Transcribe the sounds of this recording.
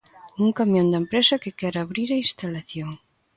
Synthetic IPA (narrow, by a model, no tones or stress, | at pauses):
nuŋkamjõnd̪ɐempɾesɐkekɛɾaβɾiɾɐĩnst̪alaθjoŋ